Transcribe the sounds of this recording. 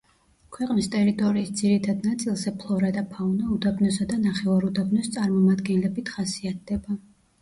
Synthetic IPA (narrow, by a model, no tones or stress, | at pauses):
kʰwɛqʼnist̪ʼɛɾit̪ʼɔɾiːsd̪ziɾit̪ʰad̪nat̪sʼilˠzɛpʰlˠɔɾad̪apʰaunaud̪abnɔsad̪anaχɛvaɾud̪abnɔst̪sʼaɾmɔmad̪ɡɛnlɛbit̪ʰχasiat̪̚ʰd̪̥ɛba